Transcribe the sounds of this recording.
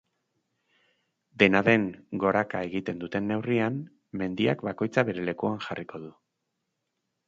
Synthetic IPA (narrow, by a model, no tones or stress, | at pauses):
d̪e̞naðe̞ŋɡo̞ɾakae̞ɣit̪e̞nd̪ut̪e̞nːe̞wriam | me̞nd̪iakbako̞jt͡saβe̞ɾe̞le̞kuaŋxariko̞ð̞u